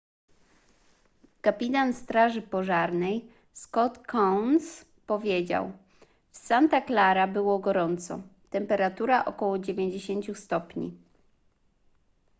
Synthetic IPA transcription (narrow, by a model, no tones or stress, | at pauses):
kapʲit̪anst̪ɾaʐɘpɔʐaɾnɛj | skɔt̪kʰɔwns | pɔvʲjed͡ʑa̰w | fsant̪aklaɾabɘwɔɡɔɾɔnt̪sɔ̰t̪ɛmpɛɾat̪uɾaʔɔkɔwɔd͡ʑevʲjeɲd͡ʑeɕeɲt͡ɕust̪ɔpɲḭ